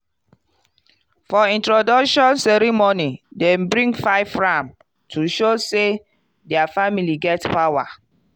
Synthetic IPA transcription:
fɔĩntɹodɔkʃɔ̃nsɛɹimonidɛ̃mbɹĩŋɡfaɪvɹãm | tʰuʃose | dɛafamiliɡɛtpawa

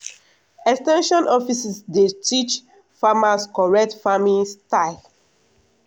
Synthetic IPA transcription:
ɛkstɛ̃nʃɔ̃nʔɔfisisdetit͡ʃ | famaskɔɹɛk̚tfamĩstaɪl

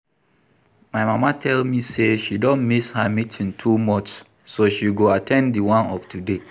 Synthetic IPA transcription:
maɪmamatʰɛlmiseʃidɔ̃nmishamitʰĩntʰumɔ̃tsː | oʃiɡoatʰɛ̃ndiwãnɔftʰude

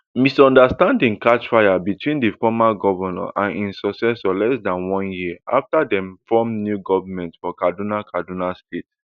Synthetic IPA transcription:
misɔ̃ndastãndĩŋkat͡ʃfaɪabitʰwĩndifɔmaɡɔvənã̰ʔãnĩnsɔksɛsɔlɛsdãnwɔ̃njiʔa̰ftadɛ̃mfɔmnjuɡɔvamɛ̃ntfɔkadunakʰadunastet

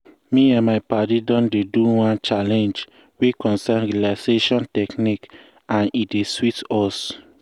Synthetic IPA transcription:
miãnmaɪpatidɔ̃ndeduwãnt͡ʃalɛ̃nd͡ʒ | wekɔ̃nsanɹilaseʃɔ̃ntɛknik | ãnideswitɔs

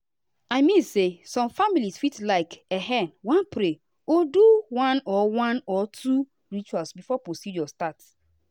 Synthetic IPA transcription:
aɪmĩnsesɔ̃mfamilisfitlaɪkeɦɛnwãnpɾe | oduwãnɔwãnɔtʰu | ɹit͡ʃualsbifɔpɾosid͡ʒɔstat

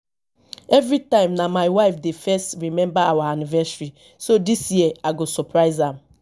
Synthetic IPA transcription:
ɛvɹitãɪ̃mnamaɪwaɪfdefɛstɹimɛ̃mbaawaanivɛsɹi | sodisjiɛaɡosɔpɹaɪzãm

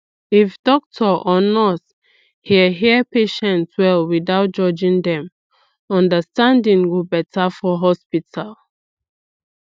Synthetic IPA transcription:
ifdɔk̚tʰɔʔɔnɔs | hiɦiəpeʃɛ̃ntswɛlwidaʊt̚d͡ʒɔd͡ʒĩŋdɛ̃m | ɔ̃ndəstãndĩŋɡobɛtʰafɔɦɔspitʰalˠ

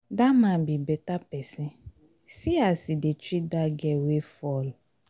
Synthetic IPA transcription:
damãbibɛtapɛsɪ̃ | siasidet͡ʃidaɡɛwefɔl

